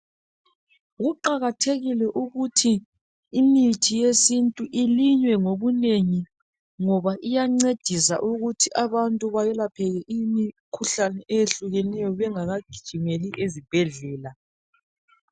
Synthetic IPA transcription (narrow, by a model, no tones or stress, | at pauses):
ɣuǃaɣatʰeɣilɛʔuɣutʰiː | mitʰijesintʼuʔiliɲwɛŋoβuneŋi | ŋɔβaʔijaŋ͡ǀed̥ʱisa̰ʔuɣutʰiʔaβantʼuβajɛlapʰɛɣɛʔijimikʰuɬanɛʔejeɬuɣɛnɛjɔβɛŋaɣaɡ̥ʱi̥d̥ʒ̥ʱimeliʔezib̥ʱɛɮɛːla